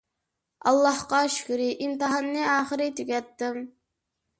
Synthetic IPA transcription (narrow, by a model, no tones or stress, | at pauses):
ɑ̰lˠːɑhqɑʃy̥kʲyɾɪʔimt̪ɨɦɑnːɨɑːχɨɾɪt̪ʰyɡʲɛt̪ːɪm